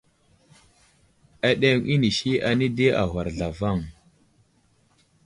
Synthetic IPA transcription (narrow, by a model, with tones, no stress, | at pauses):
a˨ɗe˦ŋʔi˦ni˨ʃi˦ʔa˨ni˦de˦ʔa̰˨ɦa˨ɾɮa˨va˦˨ŋ